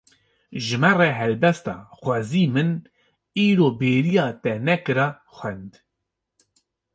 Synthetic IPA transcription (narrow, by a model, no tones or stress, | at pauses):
ʒɨmɛreːɦɛlbɛst̪ɑ̰ːxʷɑziːmɨn | iːɾoːbeːɾijɑːt̪ɛnɛkɨɾɑː | xwɛnd̪